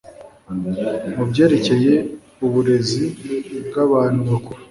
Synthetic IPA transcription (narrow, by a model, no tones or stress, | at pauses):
mubɟe̞ːɾe̞ce̞je̞ | uβuɾe̞zibɡaβaːn̥huβakuɾa